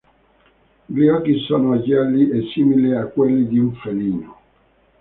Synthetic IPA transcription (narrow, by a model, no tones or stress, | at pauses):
liɔkːisɔːnoad͡ʒɛlːiesːimiliakːwelːid̪iuɱfeliːno